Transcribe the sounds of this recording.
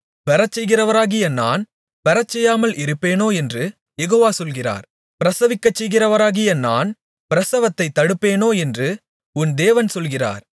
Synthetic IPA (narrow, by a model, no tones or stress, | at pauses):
ʋɛɾɐt͡ʃːɛjɣɪrɐʋɐɾaːɣɪjɐna̰ːn | ʋɛɾɐt͡ʃːɛjːaːmɐlʔɪɾɯpːeːnoːɛndrɯ | jɛɣoːʋaːsɔlɣɪra̰ːɾ | pɪɾɐsɐʋɪkːɐt͡ʃːɛjɣɪrɐʋɐɾaːɣɪjɐna̰ːn | pɪɾɐsɐʋɐt̪ːɐɪt̪ːɐɽɯpːeːnoːɛndrɯ | ʊnd̪eːʋɐnsɔlɣɪra̰ːɾ